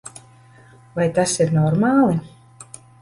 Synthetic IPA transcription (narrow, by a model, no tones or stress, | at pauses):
vajt̪asiɾnɔɾmaːlˠi